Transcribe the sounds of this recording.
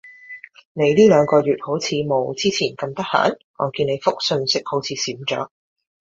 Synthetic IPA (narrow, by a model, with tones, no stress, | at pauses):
ne˨˧jliː˥lœː˨˧ŋkɔː˧ɥyː˨t̚ho˨˥wt͡sʰiː˨˧mo˨˩wt͡siː˥t͡sʰiː˨˩nkɐ˧mt̪ɐ˥k̚ha̰ː˨˥n | ŋɔ̰ː˨˧kiː˧ne˨˧jfʊ˥k̚sɵ˧nsɪ˥k̚ho˨˥wt͡sʰiː˨˧siː˨˥mt͡ʃœ̰ː˨˥k̚